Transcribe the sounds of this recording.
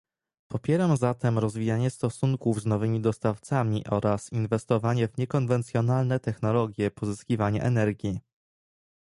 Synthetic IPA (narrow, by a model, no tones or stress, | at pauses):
pɔpʲjɛɾamzat̪ɛmɾɔzvʲijaɲɛst̪ɔsuŋkuvznɔvɘmʲid̪ɔst̪aft̪samʲiʔɔɾasinvɛst̪ɔvaɲɛvɲɛkɔnvɛnt̪sʲjɔnalnɛt̪ɛxn̪ɔlɔɡʲjɛpɔzɘskʲivaɲa̰ʔɛnɛɾɡʲi